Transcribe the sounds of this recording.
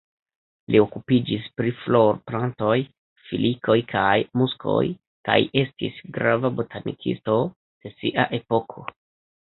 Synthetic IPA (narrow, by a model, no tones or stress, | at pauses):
lio̞kupid͡ʒispɾiflo̞ɾplanto̞j | filikʰo̞jkʰajmusko̞̰j | ka̰jʔe̞stḭsɡɾavabotʰanḭkʰḭsto̞ | d̥e̞siʔaʔe̞po̞kʰo̞